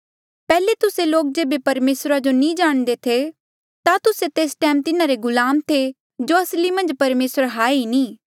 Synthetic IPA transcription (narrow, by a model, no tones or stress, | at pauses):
pɛːlet̪ʊseloːk̚d͡ʒeːbepɐɾmeːsɾad͡ʒonĩːd͡ʒaːɽ̃d̪et̪ʰe | t̪at̪ʊset̪eːsʈɛːmt̪ɪnaɾeɡʊlaːmt̪ʰe | d͡ʒoɐslimɐ̃nd͡ʒpɐɾmeːsəɾɦaːeinĩː